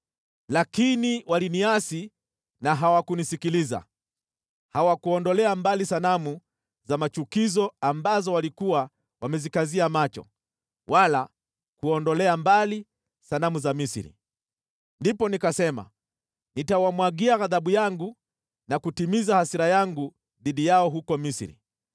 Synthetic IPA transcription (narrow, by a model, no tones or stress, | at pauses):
lakiniwaliniasi | naɦawakunisikiliza̰ | hawakuɔndɔlɛambalisanamu | zamat͡ʃukizɔambazɔwalikuwa | wamɛzikaziamat͡ʃɔ̰ | wʔala | kuɔndɔlɛambali | sanamuzamisḭɾḭ | ndipɔnikasɛma̰ | nitawamwaɡiaɣaðaɓujaŋɡu | nakutimizahasiɾajaŋɡu | ðiɗijaɔɦukɔmisɾḭ